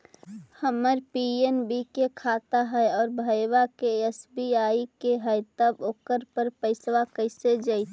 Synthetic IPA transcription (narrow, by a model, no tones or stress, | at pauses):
həməɾpienbikekʰat̪aɦɛɔːɾbʱəwakeesbiaikeɦəjt̪əboːkəɾpəɾpəɪsʋakəɪsed͡ʒəɪt̪ʰ